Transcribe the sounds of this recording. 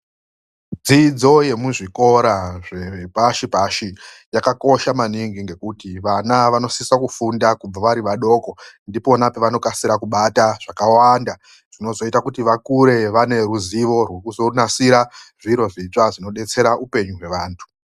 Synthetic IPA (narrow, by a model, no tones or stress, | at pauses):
d͡zid͡zo̞je̞muʐiko̞ɾaʐeepaʃipaʃi | jakako̞ʃamaniŋɡiŋɡe̞kutiʋanaʋano̞sisakufundakub͡vaʋaɾiʋaɗo̞ːko̞ndipo̞napeʋano̞kasiɾakuɓataʐ̥akawanda | ʐ̥ino̞zo̞itakutiʋakuɾe̞ʋane̞ɾuziʋo̞rwe̞kuzonasiɾaʐiɾo̞ʐit͡ʂaʐino̞ɗe̞t͡se̞ɾaʔupe̞ɲuɦwe̞ʋaːntʰu̥